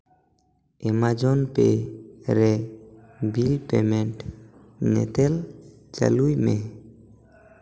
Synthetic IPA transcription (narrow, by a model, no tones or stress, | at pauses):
ɛmad͡ʒɔnpeɾɛ | bilpemɛt | nɛ̰t̪ɛl | d͡ʒa̰lujme